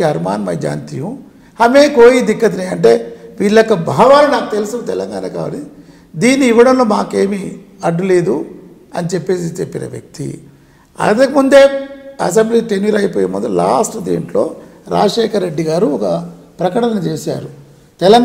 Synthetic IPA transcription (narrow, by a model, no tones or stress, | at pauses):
iɐɾma̰ːnmɐjd͡ʒa̰ːnt̪ijum | ɐmeːkoːjid̪ikːɐt̪̬ineːɐɳʈ̬eːʋiːɭːɐkːɐbʱaːʋaːninaːkut̪elisut̪ɛlɐŋɡaːnaːka̰ːʋɐ̰li | d̪iːnːiːʋːɐɽɐmlo̞ːmaːke̞ːmiɐɖːule̞ːd̪u | ɐnit͡ʃepːe̞ːs̬it͡ʃepːinɐ̰ʋjɐ̰k̚t̪ḭ | ɐ̰nt̪ɐkimund̪e̞ːɐs̬embliːt̪eniɾɐjpoːjemɐd̪ula̰ːsʈd̪ḭːɳʈlo̞ːɾa̰ːd͡ʒɐʂeːkɐɾːe̞ɖːiɡaːɾuɔkɐ | pɾɐkɐʈɐnɐnɐt͡ʃeːsa̰ːɾu | t̪ɛlɐŋ